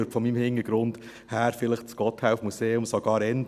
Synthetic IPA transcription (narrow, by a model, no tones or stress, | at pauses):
ɾpfɔmiːmhɪŋəɡ̥ɾʊnd̥ | hæːɾfɪləχt͡sɡ̥ɔt̪hæʊfmuseːʊmsoɡ̥ɑːɾɛnd